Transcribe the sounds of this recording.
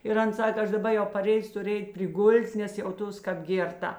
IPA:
ɪr ˈɐn ˈsɑːkɐ ˈɐʃ dɐˈbɐ jɛʊ pɐˈrʲeːjʊs ˈtʊrʲ ˈɛɪtʲ pʲrʲɪˈɡʊlʲtʲ nʲɛs jɛʊˈtoːs ˈkɐp ˈɡʲeːrˌtɐ

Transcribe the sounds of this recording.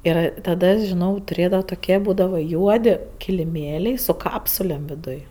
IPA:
ɪr ˈtɑːdɐ ʒʲɪˈnɐʊ tʊˈrʲeːdɐʋoː toːˈkʲiɛ ˈbuːdɐʋoː ˈjuɔdʲɪ kʲɪlʲɪˈmʲeːlʲɛɪ sʊ ˈkɑːpsʊlʲeːm ʋʲɪˈdʊj

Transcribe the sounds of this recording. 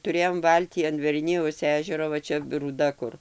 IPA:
tʊˈrʲeːjoːm ˈʋɐlʲtʲiː ɐn ʋʲɛrʲˈnʲɪjɛʊs ˈæːʒʲɛroː ʋɐ ˈt͡ʃʲɛ ruːˈdɐ kʊr

